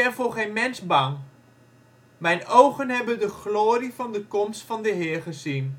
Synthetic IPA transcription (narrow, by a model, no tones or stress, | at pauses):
ɛfoːχeːnmɛnsbɑŋ | mɛjnowɣənɦɛbəndəχloːrivɑndəkomstfɑndəɦɪːrχəzin